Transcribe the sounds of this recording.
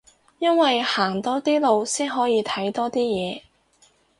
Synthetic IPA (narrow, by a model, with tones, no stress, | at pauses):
jɐ˥nwɐ˨jhaː˨˩ŋt̪ɔː˥t̪iː˥lo˨wsiː˥nɦɔː˨˥jiː˨˧t̪ʰɐ˨˥jt̪ɔː˥t̪iː˥jɛː˨˧